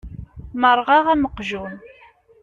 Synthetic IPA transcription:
məɾˤʁɑʁæməqʒun

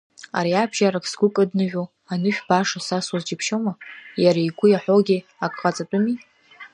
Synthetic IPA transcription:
a̰ɾiabʒaɾakʰʼsɡʷʊkʼɨdnɨʒᶣʷo | anɨʃᶣbaʂasaswazd͡ʒɪpʰʃomajaɾaiɡʷʊjaħʷoɡʲi | akʼqʼat͡sʼatʼʊmi

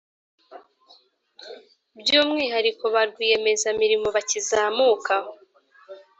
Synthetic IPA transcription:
bjuːmŋiːɦaɾiko̞βaɾɡwije̞me̞zamiɾimo̞βacizaːmuːkaho

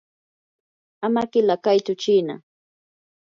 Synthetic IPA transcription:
amakɪlakajt̪ʊt͡ʃiːna̰

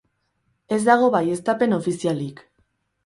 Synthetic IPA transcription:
e̞zd̪aɣ̞o̞βaje̞st̪ape̞no̞fisialik

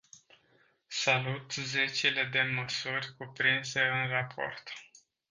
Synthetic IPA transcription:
salut̪ze̞t͡ʃele̞d̪e̞məsurʲkupɾinse̞ɨnrapʰo̞̰rt̪

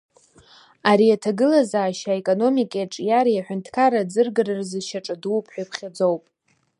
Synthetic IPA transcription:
aɾijatʰaɡɨlazaːʃaekʼo̞no̞mikʼeʈ͡ʂʼjaɾjaħʷᶣʊntʰkʰaɾad͡zɨrɡɨrɨrzɨʃaʈ͡ʂʼadupʰʼħʷᶣajpʰχʲad͡zowpʼ

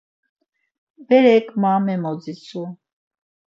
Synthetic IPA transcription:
bɛɾɛkʰʼmamɛmɔd͡zit͡sʰu

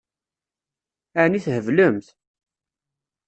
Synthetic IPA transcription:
æniθhəvləmθ

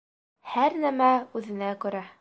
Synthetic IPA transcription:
hæɾnæmæʉðɘ̆nækʉ̆ɾæ

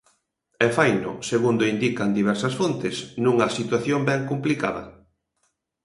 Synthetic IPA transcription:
ɛfajnʊ̰seɣund̪ʊind̪ikɐnd̪iβɛɾsɐsfont̪ɪsnũŋɐsit̪waθjombɛŋkumplika̰ðɐ̰

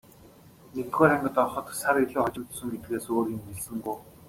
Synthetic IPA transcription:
nekt̪ɡoːɾæɴɡə̆t̪ɔɾ̆χɞ̆t̪saɾeɮuːχɔt͡ɕɪ̆mt̪sɵ̆ŋɡet̪ɘ̆ɡeːsoːɾĭŋeɮsɘ̆ŋɡuj

